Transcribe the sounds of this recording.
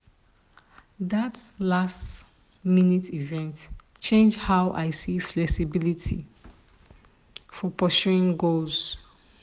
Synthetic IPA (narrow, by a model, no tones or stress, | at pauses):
ðatlast | minitʰivɛ̃nt | t͡ʃẽnd͡ʒhaʊʔaɪsiflɛksibilitʰḭ | fɔpɔʃuɹĩŋɡolz̥